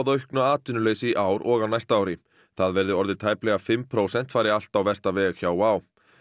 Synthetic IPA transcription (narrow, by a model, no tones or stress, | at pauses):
wðœɥhknʏaːt̪ɪnʏleːjsɪʔaːwɾʔɔɣawnajst̪aːwɾɪ | θaðvɛɾðʏɔɾðɪɾ̥t̪ʰaːjplɛɣafɪmːpʰɾoːwsɛn̥t̪faːjɾɪal̥t̪awvɛr̥st̪avɛːɣçaːwwaːw